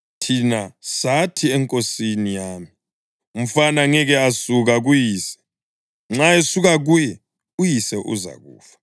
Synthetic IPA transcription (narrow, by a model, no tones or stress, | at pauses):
tʰinasatʰiɛŋkʼosinijaːmi | um̩fanaŋɛɣɛasuɣaɣ̬ujiːsɛ̥ | ŋ͡ǁaesuɣaɣ̬uːjɛ | ujisɛʔṵza̰ɣṵːfḁ